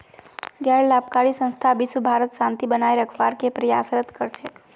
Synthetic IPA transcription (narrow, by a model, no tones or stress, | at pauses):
ɡjaɭlap̚kaɽisə̃st̪ʰabisubʱaɾət̪ʃãnt̪ibənajɾəkʰʋaɾkepɾəjasɾət̪kəɾt͡ʃʰe